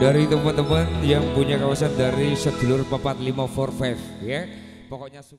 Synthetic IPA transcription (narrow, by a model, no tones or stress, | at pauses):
daɾit̪əmənt̪əmənjaŋpuɲakawasandaɾisəd̪̥ulʊrpəpat̪̚limafɔrfɛfja | pɔkɔʔɲasu